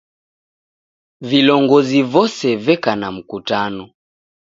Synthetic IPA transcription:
vilɔŋɡɔzivɔsɛvɛkanam̩kutanɔ

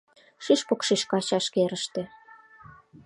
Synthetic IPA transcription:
ʃiʃpokʃiʃkɑɕɑʃkeɾəʃt̪ĕ

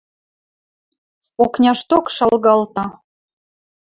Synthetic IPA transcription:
oknʲɑʃt̪okʃɑlɣɑlt̪ɑ

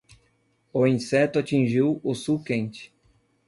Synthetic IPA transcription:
ʊĩsɛt̪ʊat͡ʃĩʒiwʊsukẽnt͡ʃɪ̥

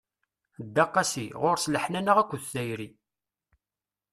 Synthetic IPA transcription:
d̪ːɑqːɑsiʁoɾsləħnænaʁækʷːθθæjɾi

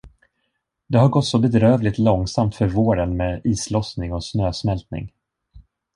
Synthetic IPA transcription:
d̪ɛɦaɾɡɔt̪ːsɔbɛd̪ɾøːvlɪt̪lɔŋsamt̪fœɾvoːɾənmeːdiːslɔsnɪŋɔsnøːsmɛlt̪nɪ̰ŋ

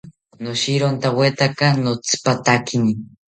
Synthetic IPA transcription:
noʃiɾont̪awet̪akanot͡sɨ̥pat̪akini

